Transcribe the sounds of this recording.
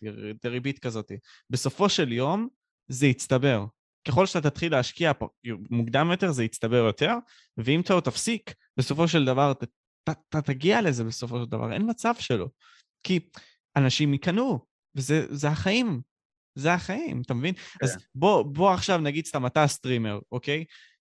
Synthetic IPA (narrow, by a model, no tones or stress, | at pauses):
d̪eʁibit̪kazo̞t̪i | be̞so̞fo̞ʃe̞ljo̞m | zeit͡st̪abe̞ʁ | ke̞χo̞lʃe̥aat̪at̪χileaʃkiapmuɡd̪amjo̞te̞ʁzeit͡st̪abe̞ʁjo̞t̪e̞ʁ | veimt̪aot̪afsik | be̞so̞fo̞ʃ̬eld̪avaʁt̪ | tat̪at̪aɡiale̞zebe̞so̞fo̞ʃeld̪a̰va̰ʁḛnmat͡sav̥ʃe̞lo̞̰ | ki | anaʃimikanu | vezezeaχaim | zeaχaimat̪amevinazbo̞bo̞aχʃavnaɡid̪st̪amatast̪ʁime̞ʁo̞ke̞j